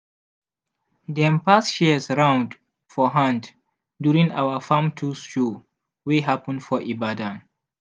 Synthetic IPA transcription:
dɛ̃mpasʃiəsɹãʊ̃nd | fɔɦãnd | djuɹĩŋa̰wəfãmtʰusʃu | weɦapə̃ndfɔʔibadãn

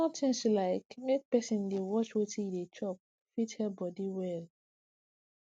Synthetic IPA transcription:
ɔtĩnslaɪkmek̚pɛsĩndewɔt͡ʃwetʰidet͡ʃɔp̚ | fithɛbɔdiwɛl

